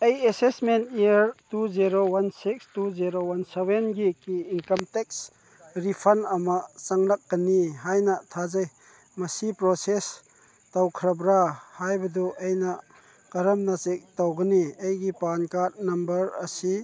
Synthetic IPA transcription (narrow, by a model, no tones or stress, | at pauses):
ejesesmentiəɾtuziɾowansikstuziɾowansebenɡikiːnkɐmtek̚s | ɾipʰɐnɐmɐt͡ʃaŋlak̚ɡɐniɦajnɐtʰazaj | mɐsipɾoses | tawkʰɾɐbɾahajbɐduʔejna | kɐɾɐmnat͡ʃek̚tawɡɐniejɡipankaɾnɐmbɐɾɐsi